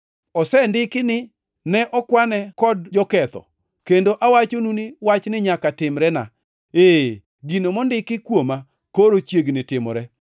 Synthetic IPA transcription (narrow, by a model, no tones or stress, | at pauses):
ɔsɛndɪkɪnɪ | nɛʔɔkwanɛkɔdd͡ʒɔkɛt̪ɔ̰ | kendoʔawat͡ʃonuniwat͡ʃnɪɲakatɪmɾɛna̰ | e | ɡinomɔndɪkɪkwoma | koɾot͡ʃjeɡnɪtɪmɔ̰ɾɛ